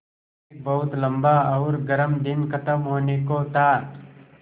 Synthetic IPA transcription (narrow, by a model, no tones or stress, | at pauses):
k̚bɐɦʊt̪lɐ̃mbaɔːɾɡəɾəmd̪ɪnkʰɐt̪əmɦoːnekot̪ʰaː